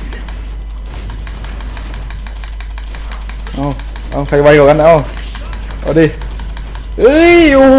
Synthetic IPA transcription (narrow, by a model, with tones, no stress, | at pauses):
ʔaː˧˩ | ʔa˧˩wkʰa˧˩jwa˧˩jkɔː˨˩ka˧n˧ʔa˧˩w | ʔa̰˧˩diː˧˩ | ʔɯː˧˥ju˧˩